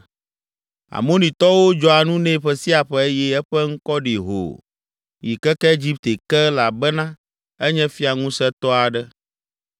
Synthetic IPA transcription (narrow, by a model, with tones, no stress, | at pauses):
a̰˨mõ˦nĩ˨t̪ɔ˦wo˦d͡ʒɔ˦a˨nũ˦nɛ̃˦˨ɸɛ˦si˦a˨ɸɛ˦e˦jɛ˦ɛ˦ɸɛ˦ŋ̩˦kɔ˦ɖi˨ɦo̰˨ | ji˨kɛ˦kɛ˦e˦d͡ʑi˦pt̪e˨kɛ˦la˨bɛ˦nã˦ | ɛ˦ɲɛ̃˦fi˦a˨ŋũ˦sɛ˦t̪ɔ˦a˨ɖɛ˦